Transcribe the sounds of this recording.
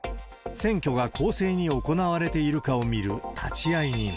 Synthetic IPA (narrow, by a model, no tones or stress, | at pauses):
sẽ̞ŋkʲo̞ɡakʰo̞ːse̞ːɲ̟io̞ko̞naβ̞aɾe̞t̪e̞iɾɯ̟kao̞mʲiɾɯ̟t̪ʰa̰t͡ɕiaiɲi